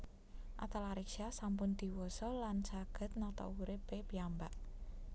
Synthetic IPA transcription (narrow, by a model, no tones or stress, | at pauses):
ʔa̰t̪alaɾiksiasampʊnd̪̥i̤wɔsɔlansaɡ̥ə̤t̪̚nat̪a̰wuɾepepiambaʔ